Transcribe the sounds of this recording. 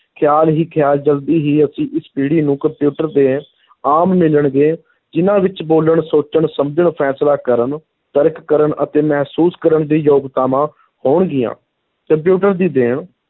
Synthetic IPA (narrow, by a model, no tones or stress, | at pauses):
kʰɪjaːlɦiːkʰjaːld͡ʒəld̪iːɦiːəsĩːʔɪspiːɽiːnũːkəmpjuːʈəɾd̪eː | aːmːɪləɳɡeː | d͡ʒɪnãːʋɪt͡ʃboːləɳsoːt͡ʃəɳsəmd͡ʒəɳpʰɛːslaːkəɾəɳ | t̪əɾkːəɾəɳʔət̪eːmɛːɦsuːskəɾəɳd̪iːjoːɡt̪aːmãː | hoːɳɡɪjã̰ː | kəmp̬juːʈəɾd̪iːd̪eːɳ